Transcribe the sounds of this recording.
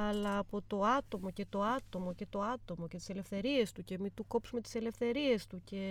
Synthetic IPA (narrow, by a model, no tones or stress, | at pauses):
ɐlɐːpo̞t̪o̞ɐt̪o̞mo̞ce̞t̪o̞ɐt̪o̞mo̞ce̞t̪o̞ɐt̪o̞mocet̪i̥se̞le̞fθe̞ɾie̞st̪uce̞mit̪uko̞psume̞t̪i̥se̞le̞fθe̞ɾie̞st̪uce̞